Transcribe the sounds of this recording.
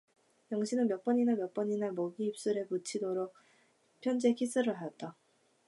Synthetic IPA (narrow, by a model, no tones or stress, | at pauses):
jʌŋɕʰinɯnmjʌk̚p͈ʌɲinamjʌk̚p͈ʌɲinamoɡiːp̚s͈uɾe̞put͡ɕʰidoɾok̚ | pʰjʌnd͡ʑekʰis͈ɯɾɯɭɦajʌt̚t͈a